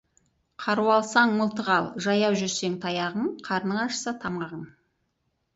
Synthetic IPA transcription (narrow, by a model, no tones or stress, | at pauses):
qʰɑɾuwɑlˠsɑɴməlˠt̪əʁɑlˠʒɑjɑwʒʏɾse̞ŋt̪ʰɑjɑʁəɴqʰɑɾnəɴɑʃə̥sɑt̪ʰɑɴʁɑʁən